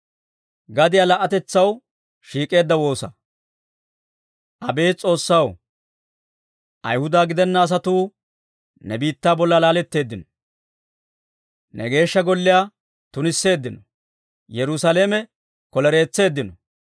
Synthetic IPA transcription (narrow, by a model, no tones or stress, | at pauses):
ɡɐd̪ɪjalɐʔɐt̪ɛt͡sːɐw | ʃiːkʼe̞ːd̪ːɐwo̞ːsɐ̰ | ʔɐbe̞ːt͡sʼo̞ːsːɐw | ʔɐ̰jhʊd̪aːɡɪd̪ɛnːɐːs̬ɐt̪uː | nɛbiːt̪ːaːbɔlːalaːlɛt̪ːe̞ːd̪ːɪnɔ | nɛ̰ɡe̞ːʃːɐɡɔlːɪjaː | t̪ʊnɪsːe̞ːd̪ːɪnɔ | jɛɾʊsaleːmɛ | kɔlɛɾe̞ːt͡sːe̞ːd̪ːɪnɔ